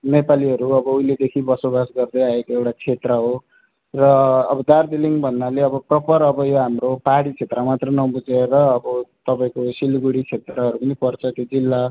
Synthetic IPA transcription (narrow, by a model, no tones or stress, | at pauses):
nepaliʌɾuʌbʌuiled̪ekʰibʌsobasɡʌrd̪ʌaekoewʈat͡sʰet̪rʌɦo | rʌːbʌd̪ard̪iliŋbʱʌnːaleʌbʌprʌpʌɾʌbʌjoɦamropaɦɽit͡sʰet̪rʌmat̪rʌnʌbud͡zerʌːbʌt̪ʌpaĩkosilɡuɽit͡sʰet̪rʌɦʌɾupʌnipʌrt͡sʰʌt̪jod͡zilːa